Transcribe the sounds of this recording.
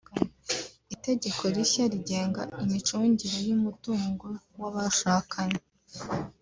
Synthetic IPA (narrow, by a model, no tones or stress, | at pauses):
ite̞ɟe̞kʰo̞ɾiçaɾiɟe̞ːŋɡaimit͡ʃuːɲɟiɾejumutuːŋɡo̞ | waβaʃaːkʰaɲe